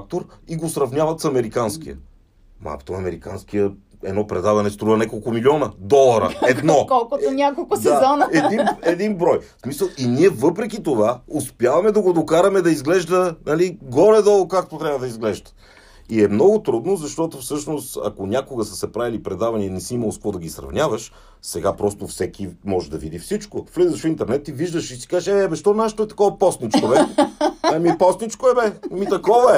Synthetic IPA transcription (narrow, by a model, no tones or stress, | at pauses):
k̚t̪oɾiɡosɾɐvnʲjavɐt̪sɐmɛɾikansk̟ijə̰ | ma̰kt̪oɐmɛɾikansk̟ijə | ɛ̰d̪nɔpɾɛd̪avɐnɛst̪ɾuvɐnɛkolˠkomilʲiɔnəd̪ɔlˠɐɾə̰ɛd̪nɔkɔlˠkoonʲakolˠkʊdsɛaɔnəɛd̪inɛd̪inbɾɔjsmisəlˠiniɛvɤpɾɛk̬it̪ovaospʲjavɐmɛd̪ɐɡod̪okaɾɐmɛd̪ɐizɡlɛʒd̪ənɐliɡɔɾɛd̪ɔlˠokak̚t̪ot̪ɾʲabvəd̪ɐizɡlɛʒd̪ə̥ | iɛmnɔɡot̪ɾud̪nozɐʃt̪ɔt̪ofsɤʃnost̪ɐ̰konʲakoɡəsə̥sɛpɾavilipɾɛd̪avɐninɛsiimɐlˠoskvɔd̪ɐɡʲisɾɐ̰vnʲavɐʃ | sɛɡapɾɔst̪ofsɛkimɔʒɛd̪ɐvid̪ifsit͡ʃkoflɛzəʃfint̪ɛɾnɛt̪iviʒd̪əʃisi̥kazʃɛɛbɛʃt̪ɔnaʃə̥t̪oɛt̪ɐ̥kɔvɐpɔst̪nit͡ʃkobɛ | mipɔst̪nit͡ʃkoɛbɛmit̪ɐkɔvɐɛ